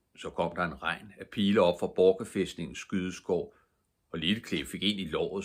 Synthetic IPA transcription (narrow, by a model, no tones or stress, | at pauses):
sɒ̽kʰɒ̽m̰d̥ɑ̈e̝nʁɑ̈ɪ̰næpʰiːləɒ̽b̥fʁɑ̈b̥ɒːɡ̥əfesd̥ne̝ŋn̩sːɡ̥yðˠəsɡ̥ɒʊ̰ | ɒ̽lil̥əkʰle̝fe̝ɡ̥e̝n̰ilɒ̰ːð̩ˠ